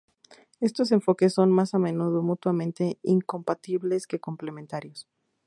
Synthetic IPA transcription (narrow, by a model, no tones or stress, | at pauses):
e̞st̪o̞s̬e̞ɱfo̞kesːo̞nmasamẽ̞nuðomut̪wamẽ̞nt̪e̞iŋko̞mpat̪iβle̞ske̞ko̞mple̞mẽnt̪aɾjo̞s